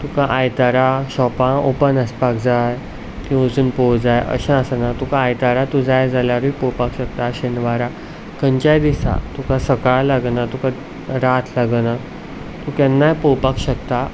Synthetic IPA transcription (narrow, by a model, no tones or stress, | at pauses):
t̪ukãʔajt̪aɾaɕɔpãopənəspakd͡zaj | kĩəd͡zuːnpowd͡zajə̰ɕãasanat̪ukaːjt̪aɾat̪ud͡zajd͡zaljaɾʋipowpakɕək̚t̪aɕenʋaɾa | kəɲt͡ɕajd̪isa̰t̪ukãsəkaɭlaɡnat̪ukã | ɾat̪ʰlaɡna | t̪ukɛnːajpɔwpakɕək̚t̪a